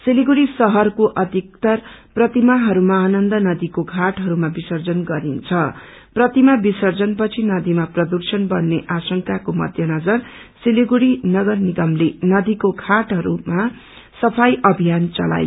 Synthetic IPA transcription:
siliɡuɽisʌɦʌrkoʔʌd̪ʱik̚t̪ʌrprʌt̪imaɦʌɾumaːnʌnd̪ʌnʌd̪ikokʰaʈɦʌɾumabisʌrd͡zʌnɡʌɾint͡sʰʌ | prʌt̪imabisʌrd͡zʌnpʌt͡sʰinʌd̪imaprʌd̪ursʌnbʌnːeʔasʌŋkakomʌ̰d̪ʱjʌnʌd͡zʌrsiliɡuɽinʌɡʌrniɡʌmlenʌd̪ikokʰaʈɦʌɾuma | sʌpʰajʔʌbʱijant͡sʌ̰la̰j

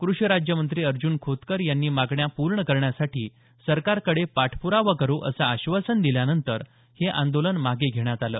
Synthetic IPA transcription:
kɾuɕjəɾad͡ʑjəmənt̪ɾiːəɾd͡ʑuːnkʰot̪kəɾjanːiːmaɡɳjapuɾɳəkəɾɳjasaʈiː | səɾkaɾkəɽepaʈʰpuɾaʋəkəɾoʔə̰saːɕʋasənd̪iljanənt̪əɾ | heʔã̰nd̪olənmaɡeɡʱeɽ̃jat̪alə̰ː

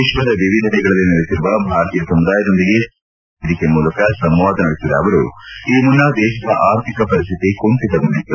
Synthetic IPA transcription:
iʃʋɐd̪ɐʋiʋid̪ʱɐnɛɡɐɭɐlːinɐɽesiɾuʋɐbʱaːɾt̪ijɐsɐmud̪aːjɐd̪ond̪iɡe̞ | d̪ikemuːlɐkɐsɐmʋaːd̪ʱɐnɐɽisid̪ɐ̰ːʋɐɾṵiːmunːɐd̪ɛːʃɐd̪ɐʔaːɾt̪ʰikɐpɐɾist̪ʰit̪ikoɳt̪id̪ɐdɐnːi

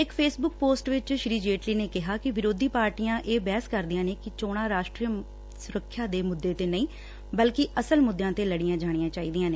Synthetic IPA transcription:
ɪkpʰeːsbʊk̚poːsʈʋɪt͡ʃʃɾiːd͡ʒeːʈliːneːkɪɦaːkɪʋɪɾoːd̪iːpaːɾʈijãːʔeːbɛːskəɾd̪ijãːneːkɪt͡ʃoːɽ̃ãːɾaːʃʈɾijə | sʊɾəkʰːjaːd̪eːmʊd̪ːeːt̪eːnəĩː | bəlkɪʔəsəlmʊd̪ːjãːt̪eːləɽijãːd͡ʒaːɽ̃ijãːt͡ʃaːiːd̪ijãːneː

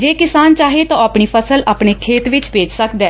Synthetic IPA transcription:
d͡ʒeːkɪsaːnt͡ʃaːɦeːt̪ãapɽ̃iːpʰəsəlaːpɳ̃eːkʰeːt̪ʋɪt͡ʃbeːd͡ʒsəkd̪ɛː

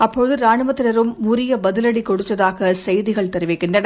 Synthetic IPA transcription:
ɐpːɔɻɯðɯɾaːɳɯʋɐt̪ːɪlɐɾɯmːʊɾɪjɐbɐðɪlɐɽikɔɽɯt̪ːɐðaːɣɐsɛjðɪɣɐɭt̪ɛɾɯʋɪkːɪɳdrɐɽɐ

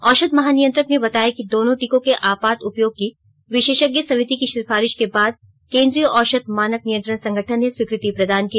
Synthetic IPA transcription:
ɔːʃət̪mɐɦaːnijə̃nt̪ɾəknebɐt̪aːjakid̪oːnõʈikõkeʔaːpaːt̪ʊpjoːɡ̚ki | ʋɪʃeːʃəɡjəsɐmɪt̪ikiʃɪɾfaːɾɪʃkebaːd̪̚ | kẽːnd̪ɾijəʔɔːʃət̪̚maːnək̚nijə̃nt̪ɾəñsɐ̃ŋɡʱəʈʰənːeswɪkɾɪt̪ipɾɐd̪ʱaːnkiː

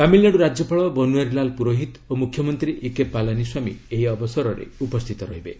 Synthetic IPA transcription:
kamilnaɽuɾad͡ʒjɔpʰaɭɔbɔnuaɾilalpuɾoɦit̪omukʰjɔmɔnt̪ɾiʔikepːalaniswamḭeɦiɔbɔsɔɾɔɾḛupɔst̪ʰit̪ɔɾɔɦibḛ

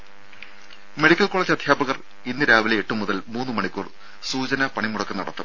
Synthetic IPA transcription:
me̞ɽikʲːɐlkoːɭɐːd͡ʑiɐd̪ʱjaːbɐɣɐr | inːɨɾaːʋileeʈːɨmuðɐlmuːnːɨmɐɳikʲːuːr | suːt͡ɕɐnɐpɐɳimuɽɐkːɐnɐɽɐt̪ːɐm

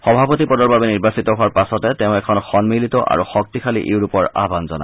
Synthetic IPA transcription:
xɔbʱapɔtipɔdɔɹbabɛniɹbasitɔɦʊaɹpasɔtɛtɛʊ̃ɛkʰɔnxɔnmilitɔʔa̰ɹuxɔk̚tikʰalḭʔeʊɹupɔɹa̰banzɔna̰

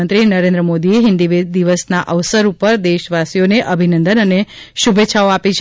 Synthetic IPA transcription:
ənt̪ɾinəɾẽnd̪ɾəmod̪ieɦɪ̃nd̪iʋed̪iʋəsnaʔəʋsəɾupəɾd̪eʃʋasijoneʔəbʱinə̃nd̪ənəneʃubʱetːʃʰaoapit͡ʃʰ

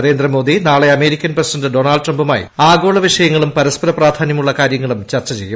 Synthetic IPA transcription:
ɾe̞ːnd̪rɐmo̞ːd̪inaːɭe̞ɐme̞ːɾikʲːɐnprɐsidɐndɨɖo̞ːnaːɭɖʈrɐmbuma̰ːjḭaːɡo̞ːɭɐʋiʂɐjɐŋːɐɭumpɐɾɐspɐɾɐpraːd̪ʱaːnjɐmuɭːɐkaːɾjɐŋːɐɭumt͡ɕɐrt͡ɕːɐt͡ɕe̞̰jːum

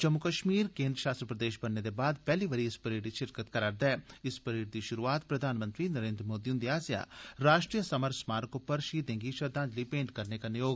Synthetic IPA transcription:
d͡ʒəmːʊkəʃmiːɾkẽːnd̪ɾəʃaːst̪ɾəpɾəd̪eːʃbɐnːed̪ebaːd̪pɛːliʋəɾiɪspəɾeːʈd̪iʃɪɾkət̪kɐɾaːɾd̪ɛːɪspəɾeːɖd̪iʃʊɾuaːt̪pɾɐd̪ʱaːnmə̃nt̪ɾinəɾẽːnd̪ɾəmoːd̪iʊ̃nd̪iaːsja̰ːɾaːʃʈɾijəsəməɾsmaːɾkʊpəɾʃiːd̪ẽːŋɡiʃɐɾd̪ãːnd͡ʒliːpẽːɳʈkɐɾnekanɪjoːɡ

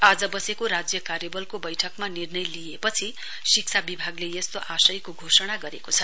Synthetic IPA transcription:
ad͡zʌbʌsekoɾad͡zjʌkaɾjʌbʌlkobʌjʈʰʌkmanirnʌjlijepʌt͡sʰi | sik̚sʰabibʱaɡlejʌst̪oʔasʌjkoɡʱosʌɽ̃aɡʌɾekot͡sʰʌ

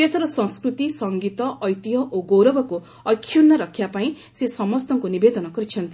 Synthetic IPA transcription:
t̪esɔɾɔsɔ̃ŋskɾut̪isɔŋɡit̪ɔʔːjt̪iɦɔʔoɡowɾɔbʱɔku | ɔkʰːjunːɔɾʌkʰjapaĩ | sesɔmɔst̪ɔŋkunibed̪ɔnɔɡɔɾit͡ʃʰʌnt̪i

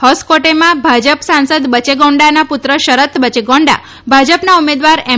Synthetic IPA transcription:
hɔskoʈemãbʱad͡ʒəpsãnsəd̪bət͡ʃeɡɔ̃ɳɖanapʊt̪ɾəʃəɾət̪bət͡ʃeɡɔ̃ɳɖa̰ | bʱad͡ʒəpnaumed̪ʋaɾɛ

